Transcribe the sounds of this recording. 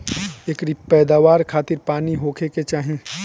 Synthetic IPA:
eːkɾipɛːd̪aːʋaːɾkʰaːt̪ɪɾpaːniɦoːkʰeket͡ʃaːɦĩ

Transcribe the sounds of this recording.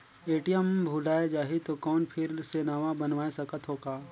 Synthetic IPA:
eːʈijəmbʱuːlaːed͡ʒaːɦit̪okɔːnpʰɪɾsenaːʋabɐnʋaːesɐkət̪ɦoːɡaː

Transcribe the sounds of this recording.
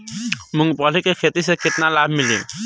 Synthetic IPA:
mʊŋɡpɔlikekʰet̪isekɪt̪nalabʱmilḭ̃

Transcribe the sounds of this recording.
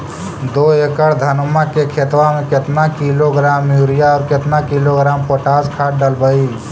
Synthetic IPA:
d̪oːekəɽd̪ʱənməkekʰet̪wamẽkɪt̪nakiloɡɾaːmjuːɾijaɔːɾkɪt̪nakiloɡɾaːmpoʈaːskʰaːɖəlbəi

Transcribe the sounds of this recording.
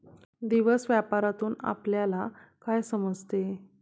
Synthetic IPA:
d̪iʋəsʋjapaɾat̪uːna̰pljalakajsəməd͡zʱt̪e

